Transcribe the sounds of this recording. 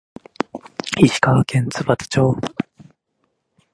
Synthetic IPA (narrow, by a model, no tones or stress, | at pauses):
hiɕi̥kaakʰẽ̞nt͡sɨbat͡sɨ̥t͡ɕo̞ː